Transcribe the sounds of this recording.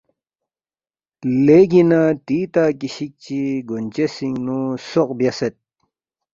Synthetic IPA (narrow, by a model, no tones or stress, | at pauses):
leɡinat̪iːt̪akiɕik̚t͡ɕiɡont͡ɕesiŋnusoq̚bjɐset̪̚